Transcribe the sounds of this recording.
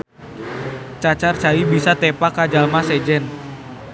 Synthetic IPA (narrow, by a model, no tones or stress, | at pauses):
t͡ʃat͡ʃart͡ʃaibisat̪ɛpakad͡ʒalmasɛd͡ʒɛn